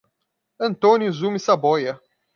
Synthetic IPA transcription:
ɐ̃nt̪õnʊzumisabɔjɐ

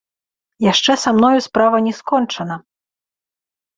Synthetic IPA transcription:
jaʂt͡ʂɛsamn̪ɔjuspɾavɐnʲɛskɔnt͡ʂɐnɐ

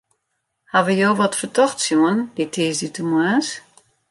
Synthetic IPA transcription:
haʋəjoːʋɔtfətɔxtsjuənd̥itʰiːsdytumwas

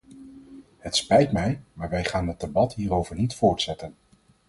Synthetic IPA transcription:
hətspɛjtmɛjmaːɹʋɛjχaːnɦət̚debɑtɦiːɾowvəɹnitfʊːɹtsɛtən

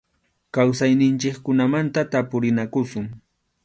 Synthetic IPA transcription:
kawsajnɪnt͡ʃɪkkʊnamant̪at̪apʊɾɪnakʊsʊŋ

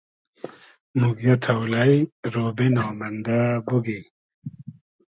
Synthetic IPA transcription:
muɡjɐt̪ʰɐwlajɾoːbinaːmɐnd̪abuɡi

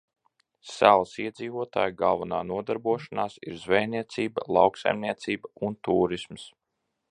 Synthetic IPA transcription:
sælˠsiɛd̪ziːvuɔt̪a̰ːjɡalˠvunaːnuɔd̪aɾbuɔʃanaːsiɾzvɛjniɛt̪siːbəlˠɑwksa̰jmniɛt̪siːbəunt̪uːɾisms

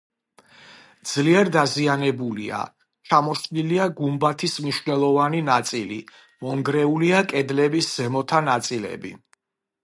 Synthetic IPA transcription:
d̪z̥liɛɾd̪azianɛbulḭa̰ | t͡ʃʰamɔʃniliaɡumbat̪ʰismniʃvnɛlˠɔvaninat̪sʼilḭ | mɔŋɡɾɛuliakʼɛd̪lɛbisz̥ɛmɔt̪ʰanat̪sʼilɛ̰bḭ

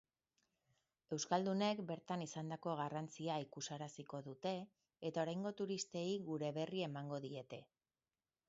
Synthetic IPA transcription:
e̞wskald̪une̞kbe̞ɾt̪anisand̪ako̞ɣ̞arant͡siaikusaɾasiko̞ðut̪e̞ː | t̪ao̞ɾajŋɡo̞t̪uɾist̪e̞iɣuɾe̞βe̞rie̞maŋɡo̞ðie̞t̪e̞

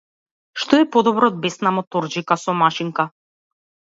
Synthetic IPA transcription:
ʃt̪ɔɛpɔd̪ɔbɾɔːd̪̚bɛsnamɔt̪ɔɾd͡ʒikasɔmaʃiŋka

